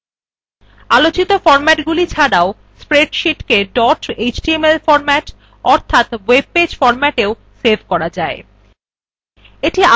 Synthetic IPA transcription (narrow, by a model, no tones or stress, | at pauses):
alot͡ɕit̪ofɔɾmɛʈɡulit͡ɕʰaɽao | spɾeɖʃiʈkeɖɔʈed͡ʑʈiemelfɔɾmɛʈ | ɔɾt̪ʰat̪web̚ped͡ʑfɔɾmɛʈeo | seɾbʱkɔɾad͡ʑae | eʈia